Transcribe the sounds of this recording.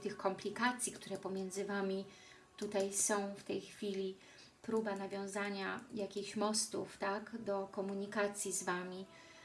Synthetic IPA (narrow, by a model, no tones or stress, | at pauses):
t̪ɘxkɔmplʲikat̪sʲjikt̪uɾɛpɔmʲjɛnd̪zɘvamʲi | t̪ut̪ajsɔ̃w̃ft̪ɛjxfʲilʲi | pɾubanavʲjɔ̃w̃zaɲajakʲixɕmɔst̪uft̪aɡd̪ɔkɔmuɲikat̪sʲjizvamʲi